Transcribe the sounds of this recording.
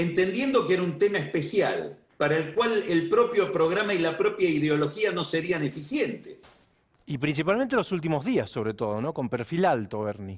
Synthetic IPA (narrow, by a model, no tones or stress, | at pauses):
ent̪end̪je̞nd̪o̞keeɾaunt̪emaespesja̰l | paɾaelkwalelpɾo̞pjo̞pɾo̞ɣ̞ɾamailapɾo̞pjaiðeo̞lo̞xiano̞seɾianefisjent̪es | ipɾins̬ipalment̪elosult̪̬imozðiasːo̞β̞ɾet̪o̞ð̞ono̞ko̞mpeɾfilalt̪oβeɾni